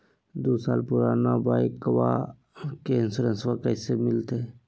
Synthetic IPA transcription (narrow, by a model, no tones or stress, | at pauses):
d̪oːsaːlpʊɾaːnabaːɪkʋa̰ | kensəɾə̃nsʋakəɪsemɪlt̪e